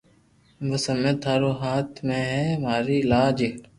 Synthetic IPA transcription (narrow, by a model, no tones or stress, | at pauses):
ʋəsəmet̪ʰaːɾoːɦaːt̪ʰmẽːɦɛːmaːɾiːlaːd͡ʒɪ